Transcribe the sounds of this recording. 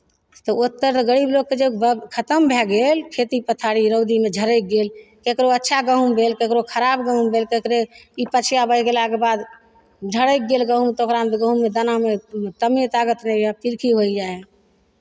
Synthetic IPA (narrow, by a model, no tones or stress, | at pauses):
t̪ɔot̪ːəɾt̪ɔɡəɽibloɡkːed͡ʒəbkʰət̪əmbʱɛɡelkʰet̪ipət̪ʰaɽiɾəwd̪imed͡ʒʱəɾəjk̚ɡelkekɾoətːʃʰaɡəɦumbʱelkekɾokʰəɾabɡəɦumbʱelkekɾeipət͡ʃʰjabəjɡelakebad̪ | d͡ʒʱəɽəjk̚ɡelɡəɦũmt̪okɾamɡəɦumːed̪ənamet̪əmet̪aɡət̪nɛab̚t̪iɾkʰiɦoid͡ʒae